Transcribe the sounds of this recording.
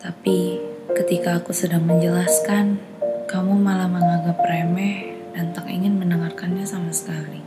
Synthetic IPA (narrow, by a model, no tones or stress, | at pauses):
t̪apikət̪ikaːkusədaŋməɲd͡ʒəlaskan | kamumalahməŋaɡapəɾemɛ | dant̪akḭŋɪnmənəŋarkanɲasamasə̥kali